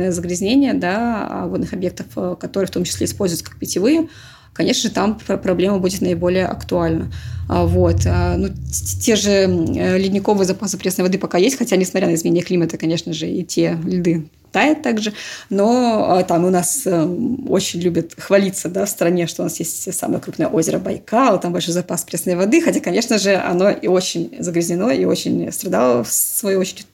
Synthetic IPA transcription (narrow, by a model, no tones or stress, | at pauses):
nəjəzəɡɾʲɪzʲnʲenʲɪjəd̪a̰vo̞d̪nɨxɐbje̞k̚t̪əfkɐt̪oɾɨəft̪o̞mt͡ɕɪsʲlʲeɪspo̞lʲzʊjt̪səkḁk̚pʲɪtʲɪvɨjə | kɐnʲeʂnəʐɨt̪ampɾɐblʲe̞məbudʲɪt̪nəɪbo̞lʲɪjəʔɐ̰kt̪ʊalʲnəvo̞t̪ənutʲeʐɨlʲɪdʲnʲɪko̞vɨjəzɐpaspɾʲesnəjvɐd̪ɨpɐkajesʲtʲxɐtʲanʲɪsmɐt̪ʲɾʲanəɪzmʲɪnʲenʲjəklʲimət̪əkɐnʲe̞ʂnəʐɨḭtʲelʲɪd̪ɨ | t̪ajʊt̪ːaɡʐɨno̞ət̪amʊnas | o̰t͡ɕɪnʲlʲubʲət̪xvɐlʲit̪səd̪afst̪ɾɐnʲeʂt̪oʊnasjesʲtʲsa̰mə̰jəkɾupnəjəʔo̞zʲɪɾəbɐjkalˠt̪ambɐlʲʂojzɐpaspɾʲesnəjvɐd̪ɨxɐtʲakɐnʲe̞ʂnəʐɨɐ̰no̞ʔio̞t͡ɕɪnʲzəɡɾʲɪzʲnʲɪno̞iot͡ɕɪnʲst̪ɾɐd̪alˠəsvɐjojot͡ɕɪɾʲɪ